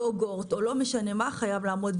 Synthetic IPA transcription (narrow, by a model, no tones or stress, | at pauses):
oɡoʁtolo̞meʃane̞maχajavlaːmo̞d